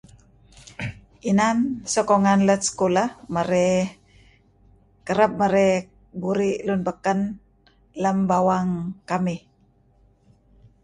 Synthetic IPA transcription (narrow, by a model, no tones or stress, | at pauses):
ʔinansɔkɔŋanlət̪̚sə̥kolahmaɾɛ | kəɾəp̚maɾɛ | buɾiʔlunpəkən | ləmbawaŋkamih